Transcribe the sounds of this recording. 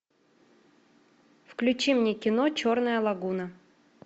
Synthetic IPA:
fklʲʉt͡ɕimnʲekʲɪnot͡ɕornəjəlˠɐɡunə

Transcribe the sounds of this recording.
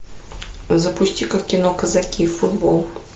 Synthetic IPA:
zɐpuʃt̪ʲikəkʲinɔkɐzakʲiːfud̪bɔlˠ

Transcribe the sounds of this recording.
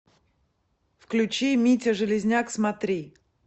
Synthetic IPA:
fklʲʉt͡ɕimʲitʲɪʐɨlʲɪzʲnʲaksmɐt̪ɾʲi

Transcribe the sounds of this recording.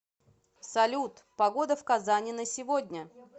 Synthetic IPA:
sɐlʲut̪pɐɡo̞d̪əfkɐzanʲɪnəsʲɪvo̞dʲnʲə

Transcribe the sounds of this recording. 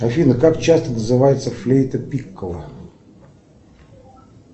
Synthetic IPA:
ɐfʲinəkakt͡ɕast̪ənəzɨvajɪt̪səflʲejt̪əpʲikːəlˠə

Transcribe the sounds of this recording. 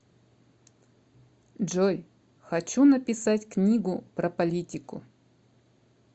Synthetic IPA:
ʐoj | xɐt͡ɕunəpʲɪsatʲknʲiɡʊpɾəpɐlʲitʲɪkʊ̰

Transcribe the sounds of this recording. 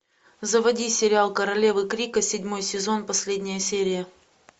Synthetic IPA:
zəvɐdʲisʲɪɾʲɪalˠkəɾɐlʲe̞vɨkɾʲikəsʲɪdʲmo̞jsʲɪzo̞npɐsʲlʲedʲnʲɪjəsʲeɾʲɪjə

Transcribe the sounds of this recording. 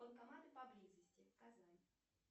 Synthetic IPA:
əlˠkɐmat̪ɨpɐblʲizəsʲtʲɪkɐzalʲɪ

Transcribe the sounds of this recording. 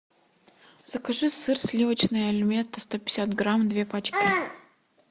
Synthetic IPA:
z̥əkɐʐɨsɨrsʲlʲivət͡ɕnɨjəɐlʲɪmʲent̪əst̪opʲɪ̥sʲat̪ɡɾamd̪vʲe̞pat͡ɕkʲɪ

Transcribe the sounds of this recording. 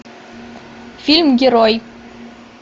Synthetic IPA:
fʲilʲmɡʲeɾoj

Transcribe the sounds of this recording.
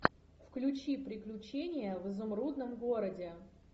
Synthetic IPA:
fklʲʊt͡ɕipɾʲɪklʲʉt͡ɕenʲɪjəvɨzʊmrud̪nəmɡo̞ɾədʲɪ

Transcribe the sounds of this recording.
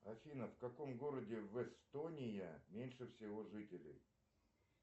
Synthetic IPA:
ɐfʲinəfkɐko̞mɡo̞ɾədʲɪvɛst̪onʲɪjəmʲenʲʂɨfsʲɪvo̞ʐɨtʲɪlʲɪ̰j

